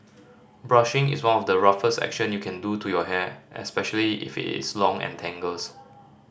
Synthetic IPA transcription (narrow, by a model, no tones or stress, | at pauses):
bɹaʃɪ̃ŋɪ̰swãnɔfdəɹafəstɛ̰kʃə̃njukʰɛ̃ndutʰujɔɦɛʔɛ̰spɛʃəliɪ̰fḭtɪ̰slɔ̃ŋɛ̰̃ntʰɛ̃ŋɡəls